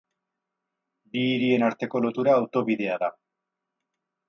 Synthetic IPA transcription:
biːɾie̞naɾt̪e̞ko̞lot̪uɾaːwt̪o̞βiðe̞aða

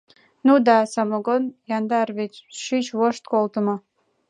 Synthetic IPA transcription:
nud̪ɑsɑmoɡonjɑnd̪ɑrβet͡ɕʃyt͡ɕβoʃt̪kolt̪ə̆mo

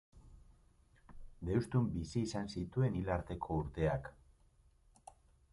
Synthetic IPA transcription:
d̪e̞wst̪umbisiːsansit̪ue̞nilaɾt̪e̞kʰo̞uɾt̪e̞ak

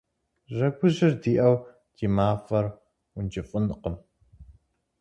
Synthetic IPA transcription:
ʒɐɡʷʊʑɪrdiːʔɐw | tʰiːmaːfɐr | ʊnd͡ʒɪfʼʊnqəm

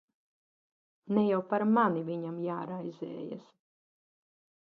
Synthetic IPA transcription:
nɛjawpaɾmaniviɲamjaːɾajzʲɛ̰ːja̰s

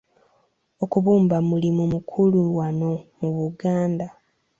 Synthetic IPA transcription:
okuβuːmbamulimumukʰuluwano̞muβuɡaːnda

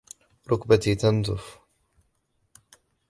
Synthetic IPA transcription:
ɾˤʊkbat̪it̪and̪ʊf

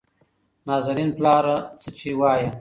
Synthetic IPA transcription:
nɑːzaɾinplɑːɾat͡sət͡ʃewɑːja

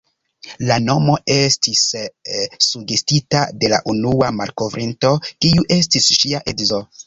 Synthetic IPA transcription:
lano̞mo̞e̞stisː | uɡe̞stitade̞la̰ʔunuamaɾko̞vɾinto̞kiuʔe̞stisʃiaʔedzo̞

